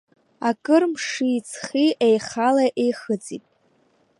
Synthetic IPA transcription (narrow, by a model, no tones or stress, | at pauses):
akʼɨrmʂit͡sʰχiʔejχalaʔejχɨt͡sʼitʼ